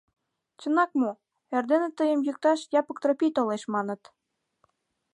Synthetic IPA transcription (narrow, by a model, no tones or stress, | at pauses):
t͡ɕə̆nɑk̚mu | ĕrd̪enĕt̪əjə̆mjuk̚t̪ɑʃjɑpɤ̆k̚t̪ropʲit̪oleʃmɑnɤ̆t̪